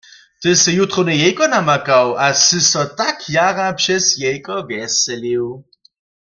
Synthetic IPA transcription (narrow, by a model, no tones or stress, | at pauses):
t̪ɪsɛjut̪ʁonɛjɛjkɔnamakawasɨsɔt̪akʰjaʁapʃɛsjɛjkɔvjɛsɛliw